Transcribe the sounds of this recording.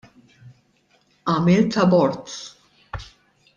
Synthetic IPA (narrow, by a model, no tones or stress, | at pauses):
ʔɐmɪlt̪ɐbɔɾt̪